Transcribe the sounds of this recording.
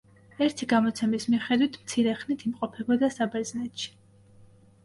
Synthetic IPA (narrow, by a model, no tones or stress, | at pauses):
ɛɾt̪ʰiɡamɔt̪sʰɛmismiχɛd̪wit̪ʰmt̪sʰiɾɛχnit̪ʰimqʼɔpʰɛbɔd̪asabɛɾznɛt̪ʃi̥